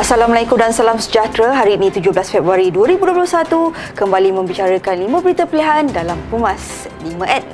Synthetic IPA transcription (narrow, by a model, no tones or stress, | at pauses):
ʔasalamalajkumdansalamsəd͡ʒat̪ɾaɦaɾinĩt̪ud͡ʒʊblasfɛbɾaɾiduəɾibudoplʊsat̪u | kəmbalimə̃mbit͡ʃaɾəkanlimə̃bəɾit̪əpileɦandalampumas | limə̃ʔɛt